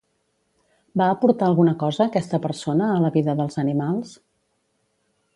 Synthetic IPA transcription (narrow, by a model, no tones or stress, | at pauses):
baəpuɾt̪aəlˠɣunəkɔzəːkɛst̪əpəɾsonəːləβiðəðəlˠzənimalˠs